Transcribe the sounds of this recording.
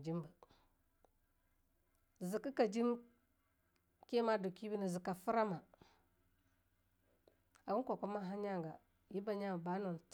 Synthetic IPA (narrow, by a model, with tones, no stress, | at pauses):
d͡ʒi˦mbə˨ | zi˨ki˦ka˨d͡ʒi˦m | ke˦ma˦do˨ki˦bi˦ni˨zi˨ka˨fu˦ɾa˦ma˨ | a˨ɡu˦ko˨ko˦ma˦ɦa˦ɲa˦ŋɡa˨ | ji˦ba˨ɲa˦˨ba˦no˨n˨t